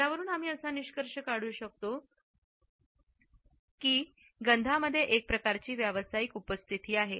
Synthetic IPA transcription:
aʋəɾuːnam̤iːəsaniɕkəɾʂəkaɽ̤uːɕək̚t̪o | kiː | ɡənd̪ʱaməd̪ʱːjeʔek̚pɾəkaɾt͡ɕiːʋjaʋəsajikupəst̪ʰit̪iːaɦe

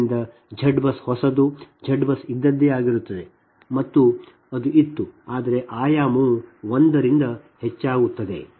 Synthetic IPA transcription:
nd̪ɐ | d͡ʒʱɐɖbɐshɔsɐd̪u | d͡ʒʱɐɖbɐsid̪ːɐd̪ːeaːɡiɾut̪ːɐd̪e̞ | mɐt̪ːu | ɐd̪uʔit̪ːuaːd̪ɐɾe̞ʔaːjaːmuʋond̪ɐɾind̪ɐ | het͡ʃːaːɡut̪ːɐd̪e̞̰

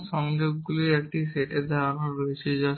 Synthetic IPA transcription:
ʃɔŋd͡ʑoɡ̚ːuliɛk̚ʈiseʈeɾd̪ʱaɾonaɾɾoet͡ɕʰed͡ʑa

